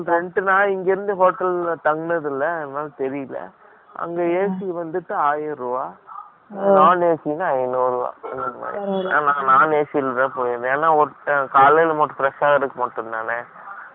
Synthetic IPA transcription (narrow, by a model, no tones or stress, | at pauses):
ɾɛɳɖɯnãːɪŋɡeɾɯnd̪ɯɦoːʈːɐlt̪ɐŋɡɯnɐðɪlːɐnnaːlt̪ɛɾɪjɯlɐ̰ | ʔɐ̰ŋɡeeːsiʋɐnd̪ɯʈːɯaːjɐɾɯʋaː | naːneːsɪnɐɐɪnuːɾɯʋa̰ːɛnɐnɐma̰ːɾinã̰ːnãːnaːneːsɪlðɐ̃ːpoːjɯd̪ɯ̃eːnːaːɔʈːkaːlelmɐʈːɯ̃fɪɾɛʂaːɣɐɾɯkːɯmɐʈːɯnd̪aːne